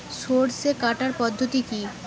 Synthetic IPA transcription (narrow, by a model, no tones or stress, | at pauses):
soɾsekaʈaɾpɔd̪ʱːot̪iki